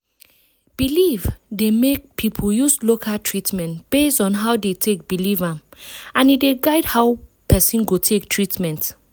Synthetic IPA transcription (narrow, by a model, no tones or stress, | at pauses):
b̥ilivdemek̚pʰipʰjuslokʰaltʰɹitmɛ̃ntb̥esdɔ̃nɦaʊdetʰek̚bilivããnideɡaɪdhaʊpʰɛsĩnɡotʰektʰɹitmɛ̃nt